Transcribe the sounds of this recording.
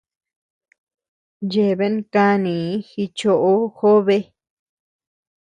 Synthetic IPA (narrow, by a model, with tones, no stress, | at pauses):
je˨βe˦˧˦ka˧nĩ˨˦xi˧t͡ʃo˧ʔo˧xo˦βe˦